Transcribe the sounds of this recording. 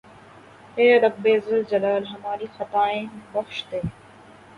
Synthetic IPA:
eːɾɐbːeːzəld͡ʒɐlaːlɦɐmaːɾiːxɐt̪aːẽːbɐxʃt̪eː

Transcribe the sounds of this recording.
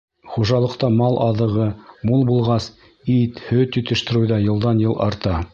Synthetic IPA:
χuʒɑlˠɤ̆qt̪ɑmɑlˠʔɑðɤ̆ʁɤmulˠbulˠʁɑs | it̪hɵt̪ɵ̆t̪ɘ̆ʃt̪ɘ̆ɾɘwðɑjɤ̆lˠd̪ɑnjɤlˠʔɑɾt̪ɑ

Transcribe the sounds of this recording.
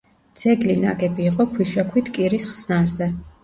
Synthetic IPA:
d̪z̥ɛɡlina̰ɡɛbiːqʼɔkʰwiʃakʰwit̪ʰkʼiɾisχsnaɾzɛ

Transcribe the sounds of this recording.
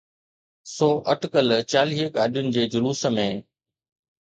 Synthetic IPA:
sɔːʔɐʈkəlt͡ɕaːliːəkaːɗjʊnɪ̆d͡ʑeːd͡ʑʊluːsə̆mẽː

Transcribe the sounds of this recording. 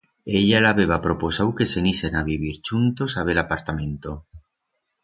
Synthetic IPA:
eʎalaβeβ̞apɾoposawke̞senisenaβiβiɾt͡ʃunt̪o̞saβelapaɾt̪amẽ̞nt̪o

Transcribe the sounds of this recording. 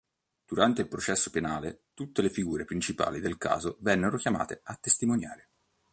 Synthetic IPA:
d̪̥uɾant̪eilpɾot͡ʃɛsːopenaːlet̪ut̪ːelefiɡuːɾepɾint͡ʃipa̰ːlid̪elka̰ːzovɛnːeɾokjama̰ːt̪eat̪ːest̪imonjaːɾe

